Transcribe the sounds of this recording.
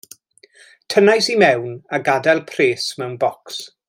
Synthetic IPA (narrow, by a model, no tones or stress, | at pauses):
tʰənajsimɛwnaɡadɛlˠpʰreːsmɛwnbɔks